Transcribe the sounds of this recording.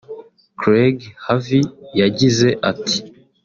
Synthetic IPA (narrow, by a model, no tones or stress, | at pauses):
kɾeɡhavijaɟize̞ʔatʰi̥